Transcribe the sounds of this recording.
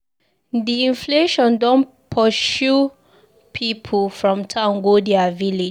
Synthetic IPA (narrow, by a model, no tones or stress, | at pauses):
diĩnfleʃɔ̃ndɔ̃n | pʰɔʃu | pʰipʰulfɹɔ̃mtʰãʊ̃nɡodɛavile